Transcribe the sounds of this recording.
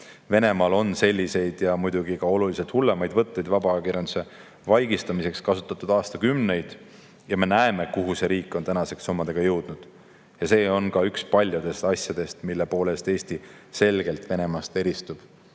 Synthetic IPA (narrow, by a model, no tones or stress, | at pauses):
ve̞ne̞mɑːlo̞nse̞lʲːise̞jd̪̥jɑmujd̪uɡikɑo̞luliset̪hulːe̞mɑjd̪̥vɤt̪ˑːejd̪̥vɑbɑekiɾjɑnd̪use̞ | vɑjɡist̪ɑmise̞kskɑsut̪ːˑɑt̪ːˑud̪ɑːst̪ɑkymne̞jd̪̥ | jɑme̞næe̞me̞kuɦuse̞ɾiːkːˑo̞nt̪ænɑse̞ksːomːɑd̪̥e̞ɡ̥ɑjɤwd̪̥nud̪̥ | jɑse̞ːo̞nkɑykspɑlʲjud̪e̞st̪ɑsʲjɑd̪̥e̞st̪milːe̞po̞ːle̞st̪e̞ːsʲt̪ise̞lɡ̥e̞lt̪ve̞ne̞mɑst̪e̞ɾist̪ub̥